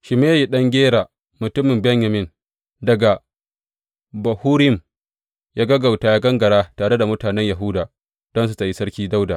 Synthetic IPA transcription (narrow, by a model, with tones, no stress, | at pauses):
ʃɪ˨meː˦jji˨ɗɐ˦ŋɡʲeː˦ɾaː˨ | mʊ˨tʊ˦mɪ˨mbɛ˦ɲjɐ˨mɪ˦n | dɐ˨ɡa˨ | bɐ˨huː˦ɾɪ˦ɪ˦˨m | jaː˦ɡɐ˦ɡa˨wtaː˨jaː˦ɡɐ˦ŋɡɐ˨ɽaː˦taː˨ɽe˦da˨mʊ˦taː˨nɛ˦ɲjɐ˨ɦʊ˦daː˨ | d̥ɔ˦ns̬u˦ta˨ji˦sɐ˦ɽkʲiː˦da˦wdaː˨